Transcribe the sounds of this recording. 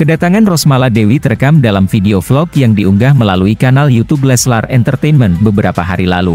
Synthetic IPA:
kədat̪aŋanrɔsmaladewit̪əɾkamdalamfideoflɔkjaŋdiuŋɡahməlaluikanaljut̪ublɛsla̰rɛnt̪ərt̪ejnmənbəbəɾapaɦa̰ɾilalu

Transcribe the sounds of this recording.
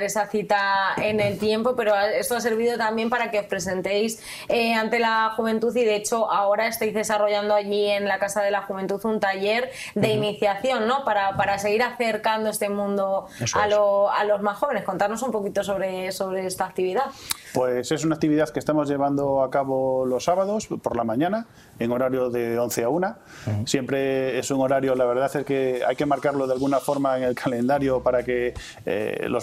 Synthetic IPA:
esaθit̪ae̞ne̞lt̪je̞mpo̞pe̞ɾo̞ae̞st̪oase̞ɾβ̞iðo̞t̪ambje̞mpaɾake̞o̞spɾe̞s̬ẽ̞nt̪ejs | eant̪e̞laxuβẽ̞nt̪uθiðe̞et͡ʃo̞ʔao̞ɾae̞st̪ajzðe̞saro̞ʝand̪oaʝie̞nlakasaðe̞laxuβe̞nt̪uθunt̪aʝe̞ɾðe̞iniθjaθjo̞nːo̞paɾapaɾas̬e̞ɣ̞iɾaθe̞ɾkand̪oe̞st̪e̞mũnd̪o̞saloa̰lo̞zmasxo̞βe̞ne̞sko̞nt̪aɾnosumpo̞kit̪o̞s̬o̞βɾeso̞βɾe̞est̪aːk̚t̪iβiðaθpwe̞se̞s̬unak̚t̪iβiðaθkest̪emo̞zʝe̞βand̪oakaβolo̞sːaβaðo̞spoɾlamãɲãna | eŋo̞ɾaɾjoðe̞o̞nθeauna | sje̞mpɾe̞esuŋo̞ɾaɾjolaβe̞ɾð̞aθeske̞a̰jke̞maɾkaɾlo̞ðealɣunafo̞ɾmaeŋe̞lkʰalẽ̞nd̪aɾjopaɾake̞ | ḛlo

